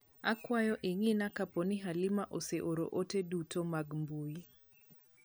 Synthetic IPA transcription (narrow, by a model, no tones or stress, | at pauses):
akwajɔʔɪŋɪnakaponɪɦalɪmaʔoseʔoɾo̰ʔotedutomaɡmbuji